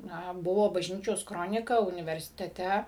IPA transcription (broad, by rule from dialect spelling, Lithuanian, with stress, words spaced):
nɐ ˈbʊʋoː bɐʒʲˈnʲiːt͡ʃʲoːs ˈkroːnʲɪkɐ ʊnʲɪʋʲɛrʲsʲɪtʲɛˈtʲɛ